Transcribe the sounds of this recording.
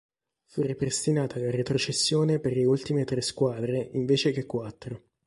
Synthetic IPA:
furepɾest̪inaːt̪alaret̪ɾot͡ʃesːjoːneperleult̪imet̪ɾeskwaːd̪ɾeʔiɱveːt͡ʃek̟ekːwat̪ːɾo

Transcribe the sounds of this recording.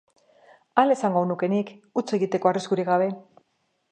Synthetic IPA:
ale̞saŋɡonuke̞nikut͡se̞ɣit̪e̞ko̞ariskuɾiɣaβ̞e̞

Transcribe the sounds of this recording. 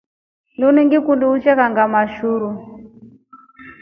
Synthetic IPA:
nuniŋɡikunduut͡ʃɛkaŋɡamaʃuːɾu

